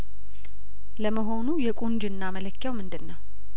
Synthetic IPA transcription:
ləməɦo̞nujɛkʷʼund͡ʒɨnːamələkːjawmɨnd̪ɨnːəw

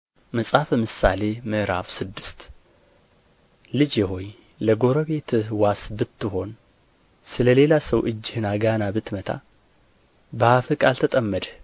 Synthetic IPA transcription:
məsʼafəmɨsale̞mɨʔɾa̰fsɨd̪ːɨst̪ | lɨd͡ʒjɛɦo̞j | ləɡo̞ɾəβe̞t̪ʰɨhwasbɨt̪ːɨɦo̞n | sɨləle̞lasəwʔɨd͡ʒːɪhɨnaɡanabɨt̪mət̪ʰa̰ | bəhafɨkʼalt̪ʰət̪ʼəmːəd̪

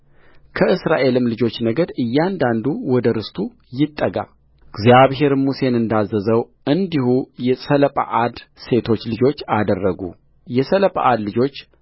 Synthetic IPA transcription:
kʰəʔɨsɾaʔe̞lɨmlɨd͡ʒo̞t͡ʃːnəɡəd̪ɨjːand̪and̪uwɔd̪əɾɨst̪ʰu | jɪt̪ʼːəɡa̰ | ɡzijaβɦe̞ɾmuse̞nɨnd̪azəzəw | ʔɨnd̪ihujɛsələpʼa̰ʔad̪se̞t̪ʰo̞t͡ʃːlɨd͡ʒo̞t͡ʃːad̪ərːəɡṵ | jɛsələpʼa̰ʔad̪lɨd͡ʒo̞t͡ʃː

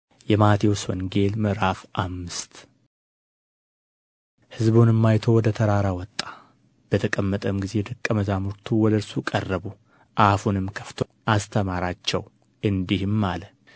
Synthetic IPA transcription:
jɛmat̪ʰiwoswɔnɡe̞lmɨɾafʔamːɨst̪ | hɨzbonɨmːajt̪ʰo̞wɔd̪ət̪ʰəɾaɾawɔt̪ʼːḁ | b̥ət̪ʰəkʼəmːət̪ʼəmɡize̞d̪ɨkʼːəməzamuɾt̪ʰuwɔd̪əɾsukʼərːəbu | ʔafunɨmkʰə̥ft̪ʰoʔast̪ʰəmaɾat͡ʃːɛw | ɨnd̪ihɨmːalə

